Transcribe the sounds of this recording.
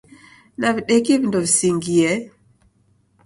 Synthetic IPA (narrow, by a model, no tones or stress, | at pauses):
naviɗɛkivindɔvisiŋɡiɛ